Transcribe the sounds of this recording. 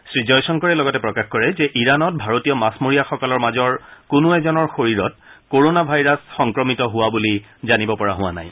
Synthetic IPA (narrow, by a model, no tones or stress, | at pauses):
sɹizɔjsɔŋkɔɹɛlɔɡɔtɛpɹɔkaxkɔɹɛzɛʔiɹanɔt̚bʱaɹotijɔmasmoɹijaxɔkɔlɔɹmazɔɹkʊnʊɛzɔnɔɹxoɹiɹɔt̚koɹonabʱajɹasxɔŋkɹɔmitɔɦʊwabuli | zanibɔpɔɹaɦʊwa̰na̰j